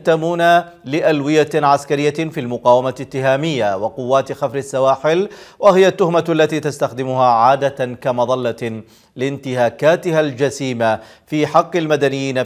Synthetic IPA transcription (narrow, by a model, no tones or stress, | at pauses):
t̪ːamuːna | lɪʔalwɪjaʕaskaɾɪjːafilmʊqɑːwamat̪ːɪɦaːmɪjːawɪqʊwːaːt̪xafɾasːawaːħɪlwahɪjat̪ːʊhmaalːat̪iːt̪ast̪axd̪ɪmʊɦaːʕaːd̪akamɑðˤɑlːa | lɪnt̪ɪhaːkaːt̪ɪhald͡ʒasiːma | fiːħɑqːɪlmad̪anɪjːiːna